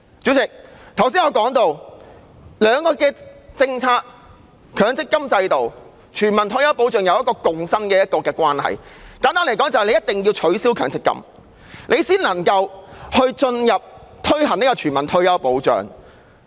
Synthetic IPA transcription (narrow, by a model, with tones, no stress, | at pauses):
t͡si˨˥wt͡sɪ˨k̚t̪ʰɐ˨˩wsiː˥ŋɔː˨˧kɔː˨˥ŋt̪o˧w | lœː˨˧ŋkɔː˧kɛː˧t͡sɪ˧ŋt͡sʰaː˧k̚ | kʰœː˨˧˥ŋt͡sɪ˥kːɐ˥mt͡sɐ˧jt̪o˨w | t͡ʃʰyː˨˩nmɐ˨nt̪ʰɵ˧ɥjɐ˥wp̬o˨˥wt͡ʃœː˨ŋjɐ˨˧wjɐ˥t̚kɔː˧kʊ˨˧ŋsɐ˥nkɛː˧jɐ˥t̚kɔː˧kɛː˧kʷwaː˥nhɐ̰˨jkaː˨˥nt̪aː˥nle˨˩kɔː˨˥ŋt͡sɐ˨hjle˧jɐ˥t̚t̪ɪ˨ŋji˧wt͡ʃʰɵ˨˥siː˥wkʰœː˨˥ŋt͡sɪ˥kːɐ̰˥m | nʔe˨˧jsiː˥nlɐ˨˩ŋkɐ˧whɵ˧ɥt͡ʃɵ˧njɐ˨p̚t̪ʰɵ˥ɥɦɐ˨˩ni˥kɔ˧t͡ʃʰyː˨˩nmɐ˨˩nt̪ʰɵ˥ɥjɐ˥wpo˨˥wt͡ʃœ̰ː˨˩ŋ